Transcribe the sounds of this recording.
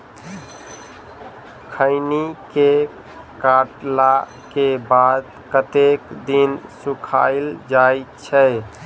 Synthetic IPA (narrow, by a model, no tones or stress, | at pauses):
kʰəɪnike | kaʈla | kebad̪ | kət̪ekd̪insukʰa̰ɪld͡ʒajt͡ʃʰɛ